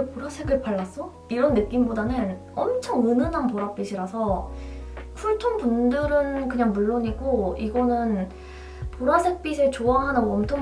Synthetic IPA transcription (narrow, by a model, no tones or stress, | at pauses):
epoɾasʰe̞ɡɯɭpaɭːas͈o | iɾʌnːɯk͈imbodanɯn | ʌmt͡ɕʰʌŋɯnɯnanpoɾap͈iɕʰiɾasʰʌ | kʰuɭtʰonpundɯɾɯnkɯɲaŋmuɭːoɲiɡoiɡʌnɯn | poɾasʰe̞k̚p͈isʰet͡ɕoaɦanaʌmtʰoŋ